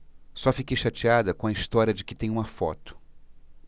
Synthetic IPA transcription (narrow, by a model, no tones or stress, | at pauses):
sɔfikejʃat͡ʃiad̪ɐkõɐist̪ɔɾʲjɐd͡ʒɪkɪt̪ẽj̃ũmɐfɔ̰t̪ʊ̥